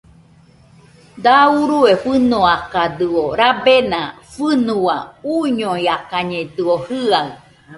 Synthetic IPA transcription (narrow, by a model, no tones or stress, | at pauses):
d̪auɾuefɨnoakad̪ɨoɾabenã | fɨnũwauɲõiakaɲẽt̪ɨohɨaɨ